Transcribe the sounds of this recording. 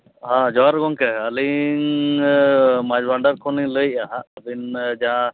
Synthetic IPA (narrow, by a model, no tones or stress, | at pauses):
ɦãd͡ʒɔaɾɡɔŋkɛaliŋ | mad͡ʒbaɳɖaɾkʰɔniləjaɦaabind͡ʒaã